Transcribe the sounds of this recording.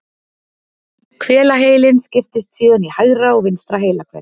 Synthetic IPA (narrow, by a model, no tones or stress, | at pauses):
kʰvɛːlaɦeːjlɪnscɪft̪ɪst̪siːðʏnihaɣɾaɔɣvɪnst̪ɾaɦeːjlakʰvɛ̰